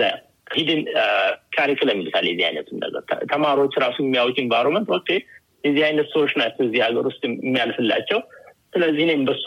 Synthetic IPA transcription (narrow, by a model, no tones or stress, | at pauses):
hid̪ɨnkʰaɾikʼləmːilɨsa̰ljɛzːiha̰jnə̰t̪ʰɨmːə̰ɡə̰ɾt̪ʰəmaɾiwo̞t͡ʃːɾasujmːijawt͡ʃinvajɾomənt̪wɔkːe | jɛzːihajnət̪səwot͡ʃːnat͡ʃːɛjɛzːihaɡəɾwʊst̪ʼmːijalfɨlːa̰t͡ʃːɛw | sɨləzːihnembəs